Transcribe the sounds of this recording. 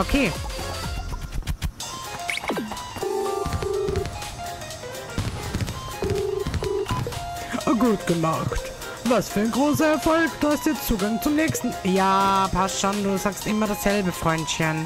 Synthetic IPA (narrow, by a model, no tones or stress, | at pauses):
ʔokʰeː | ɡuːtɡ̥əmaxt | vasfyːɐaɪnɡʁoːsɐɛɐfɔlkd̥uːhastjiɛt͡st͡st͡suːɡaŋt͡sʊmnɛːçstn̩jaːpʰasʃɔnduːzaːkstʔɪmɐɾasz̥ɛlbəfʁ̥ɔʏntçən